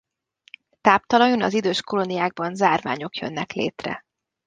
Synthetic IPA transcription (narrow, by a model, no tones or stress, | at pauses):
t̪aːpt̪ɒlɒjonɒzid̪øːʃko̞lo̞nijaːɡ̚bɒnzaːrva̰ːɲo̞kjø̰nːɛklḛːt̪rɛ̰